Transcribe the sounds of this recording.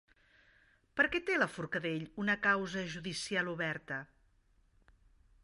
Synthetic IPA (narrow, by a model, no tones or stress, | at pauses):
pəɾkɛt̪eləfuɾkəðeʎunəkawzəʒuðisialˠuβɛɾt̪ə